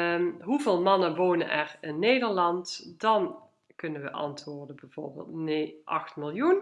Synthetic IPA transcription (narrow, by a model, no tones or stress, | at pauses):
ɦuveːlˠmɑnəʋoːnənʔɛrɪnːejdəɹlɑntdɑn | kɵnənʋə̰ʔɑ̰ntʋʊːɹdənbɛv̥o̰ːɹbḛːlˠtneʔɑ̰xtmɪlˠjun